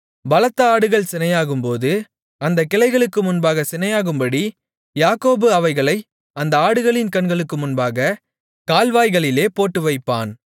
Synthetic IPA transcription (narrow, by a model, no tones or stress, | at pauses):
bɐlɐt̪ːɐaːɽɯɣɐɭsɪnɐjaːɣɯmpoːðɯ | ɐnd̪ɐkːɪlɐɪɣɐɭɯkːɯmʊnbaːɣɐsɪnɐjaːɣɯmbɐɽi | jaːkoːbɯɐʋɐɪɣɐɭɐɪ | ɐnd̪ɐaːɽɯɣɐɭɪnkɐɳɡɐɭɯkːɯmʊnbaːɣɐ | kaːlʋaːjɣɐɭɪleːpoːʈːɯʋɐɪpːa̰ːn